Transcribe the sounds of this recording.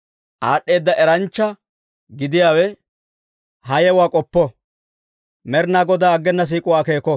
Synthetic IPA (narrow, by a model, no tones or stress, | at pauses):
ʔaːɗːe̞ːd̪ːɐʔɛɾɐnt͡ʃːɐ | ɡɪd̪ɪjaːwɛ | hɐjɛwaːkʼɔpːɔ | mɛɾnaːɡɔd̪aːɡːɛnːɐs̬iːkʼʊwaːke̞ːkɔ